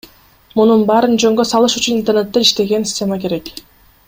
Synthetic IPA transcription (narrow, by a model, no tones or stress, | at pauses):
mununbɑːɾɯnd͡ʒø̞ŋɡø̞sɑlˠɯʃyt͡ʃynint̪ernet̪ːeiʃt̪e̞ɡe̞nsʲi̥sʲtʲːemake̞ɾe̞k